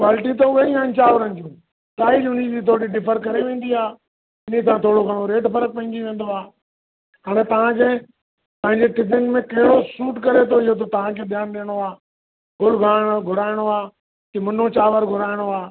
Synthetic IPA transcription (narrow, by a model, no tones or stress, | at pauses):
kʋaːlɪʈit̪oʊɦeĩant͡ɕaːʋəɾənɪ̆d͡ʑũː | t̪aːid͡ʑʊnid͡ʑit̪ʰoːɽiɖɪfəɾkɐɾeʋẽːn̆d̪iaː | ɪn̤ĩsʰãt̪ʰoːɽokɐɽoɾeːʈpɐɾək̚pɐ̃ɦɪ̃ɲd͡ʑiʋẽːn̆d̪oaː | ɦaːɽ̃ẽt̪ɐʋ̤ãkʰeː | pɐ̃ɦɪ̃ɲd͡ʑeʈɪb̪jənmẽkɐɦɪɽosuːʈkɐɾet̪ʰoɪjot̪̬ot̪ɐʋ̤ãkʰeːɗ̪jaːnɗɪːəɽ̃oaː | ɡʊlɡʱaːɽ̃ɡʱʊɾaːɪɽ̃oaː | t̪imɐn̤ot͡ɕaːʋəɾɡʱʊɾaːɪɽ̃oaː